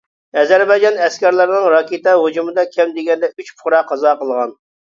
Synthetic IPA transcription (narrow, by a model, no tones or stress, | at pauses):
ɛzɛɾbɑjd͡ʒɑnɛskʲɛɾlɪɾnɨŋɾɑkʲʰet̪ɛɦod͡ʒumɨd̪ɑkʲʰɛmd̪ɪɡʲɛnd̪ɛyt͡ʃpʰʊ̥χɾɑqʰːɑzɑqəlˠʁɑn